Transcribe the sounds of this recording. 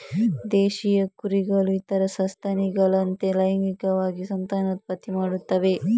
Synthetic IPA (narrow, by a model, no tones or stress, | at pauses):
d̪eːʃijɐkuɾiɡɐluit̪ɐɾɐsɐnst̪ʰaːniɡɐɭɐnt̪elɐjɐŋɡikɐʋaːɡisɐnt̪aːnɐt̪̚pɐt̪imaːɽut̪ːɐʋe